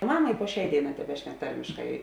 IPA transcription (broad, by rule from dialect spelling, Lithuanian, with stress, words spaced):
ˈmɑːmɐ ɪ puɔ ˈʃʲɛɪ ˈdʲeːɪˌnɑː tʲɛˈbʲæːʃʲnʲɛk ˈtɐrʲmʲɪʃkɐɪ